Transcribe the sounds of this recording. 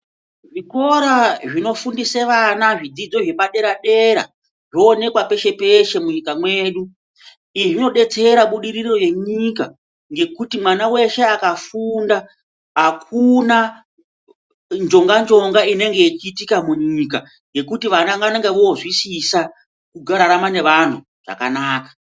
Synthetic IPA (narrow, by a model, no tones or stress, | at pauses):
ʐiko̞ɾaʐino̞fundiseʋanaʐid͡zid͡zo̞ʐe̞paɗe̞ɾaɗe̞ɾa̰ | ʐoːne̞kwape̞ʃe̞pe̞ʃe̞muɲikamwe̞ːɗu | iʐino̞ɗe̞t͡seɾaɓuɗiɾiro̞je̞ɲika | ŋɡe̞kutimwanawe̞ʃe̞akafundaː | kuna | nd͡ʒo̞ŋɡand͡ʒo̞ŋɡaine̞ŋɡe̞it͡ʃiːtikamuɲika | ŋɡe̞kutiʋanaŋɡaaneŋɡeʋooʐwisisa | kuɡʱaɾaɾamane̞ʋan̤u | ʐ̥a̰ka̰naːkḁ